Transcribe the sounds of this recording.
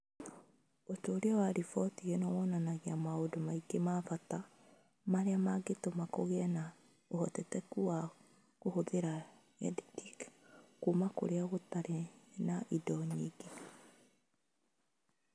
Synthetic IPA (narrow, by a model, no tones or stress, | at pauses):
otoːɾeɔwaɾifɔtiɣenɔwɔnanaɣiamaodomaiɡemafata | maɾeamaɡetomakoɣɛna | ohɔtɛtɛkua | kohoðeɾa | ɛ̰ditikkumako̰ɾeaɣotaɾenaʔidɔɲiːɡe